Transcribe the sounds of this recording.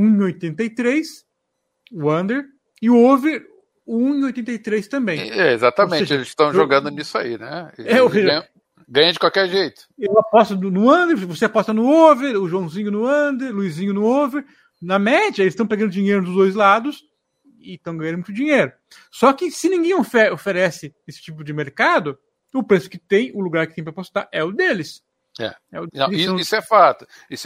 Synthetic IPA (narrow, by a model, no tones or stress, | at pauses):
ũĩojt̪ẽnt̪ɐɪt̪ɾejs | ʊɐ̃nd̪eɾ | ɪʊoveɾ | ũĩojt̪ẽnt̪ɐjt̪ɾejst̪ɐ̃mbẽj̃ɛezat̪ɐmẽt͡ʃɪelɪzst̪ɐ̃w̃ʒoɡɐ̃nd̪ʊnisʊa̰inɛeɛosẽɲ̃ | ɡɐ̃jɐ̃d͡ʒɪkwawkɛɾʒejt̪ʊ̥ewapɔst̪ɐnʊnʊɐ̃nd̪eɾvvoseapɔst̪ɐnʊoveɾʊʒuɐ̃w̃zĩɲʊnʊɐ̃nd̪eɾluizĩɲʊnʊoveɾ | nɐmɛd͡ʒiɐelɪst̪ɐ̃w̃peɡɐ̃nd̪ʊd͡ʒiɲejɾʊd̪ʊzd̪ojzlad̪ʊs | ɪt̪ɐ̃w̃ɡɐ̃jɐ̃d̪m̃t̪ʊd͡ʒĩɲejɾʊ | sɔkɪsɪnĩɡẽj̃ofɛɾofeɾɛsɪesɪ̥t͡ʃipʊd͡ʒɪmeɾkad̪ʊ | ʊpɾesʊ̥kɪt̪ẽj̃ʊluɡaɾkɪt̪ẽpɐɾapost̪aɾʔɛʊd̪elɪs | ɛ̰ɛ̰ʊɐ̰̃sisʊɛfat̪ʊ̥is